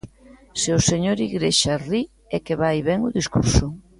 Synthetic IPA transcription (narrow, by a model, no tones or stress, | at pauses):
seoseɲoɾiɣɾeʃari | ɛkeβajβɛŋʊðiskuɾsʊ